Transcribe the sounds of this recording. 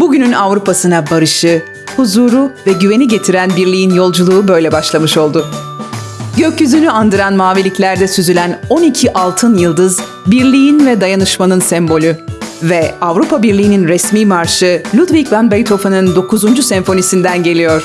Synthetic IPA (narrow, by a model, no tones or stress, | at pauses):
buɟynynavɾupʰasɯnabaɾɯʃɯ | huzuːɾuvɛɟyve̞niɟe̞t̪ʰiɾænbiɾlʲijinjo̞lˠd͡ʒulˠuːbø̞jlʲɛbaʃlˠamɯʃo̞lˠd̪ʊ | ɟøcjyzynyand̪ɯɾanmaːvilʲiclʲæɾd̪ɛsyzylʲæno̞nicʰiʔalˠt̪ʰɯnjɯlˠd̪ɯz | biɾlʲijinvɛd̪ajanɯʃmanɯnsɛmbo̞lʲyvɛavɾupʰabiɾlʲijːninɾɛsmiːmaɾʃɯlʲud̪vicbanbɛjt̪ʰo̞fanɯnd̪o̞kʰuzund͡ʒusɛɱfo̞nisind̪ænɟe̞lʲijo̞ɾ̥